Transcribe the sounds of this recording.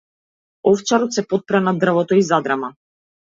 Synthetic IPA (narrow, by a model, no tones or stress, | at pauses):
ɔft͡ʃaɾɔt̪sɛpɔt̪̚pɾanad̪r̩vɔt̪ɔizad̪ɾama